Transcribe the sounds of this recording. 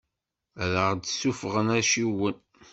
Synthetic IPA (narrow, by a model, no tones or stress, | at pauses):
ɾəʁd̪sufʁənæʃiwən